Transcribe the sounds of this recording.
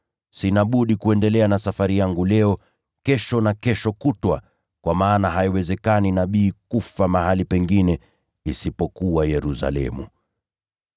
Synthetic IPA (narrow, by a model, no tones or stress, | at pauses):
sinaɓuɗikuɛndɛlɛanasafaɾijaŋɡulɛɔ | kɛʃɔnakɛʃɔkutwa̰ | kwʔamaːnaɦaiwɛzɛkaninaɓiːkufamahalipɛŋɡinɛ | isipɔkuajɛɾusa̰lɛ̰mu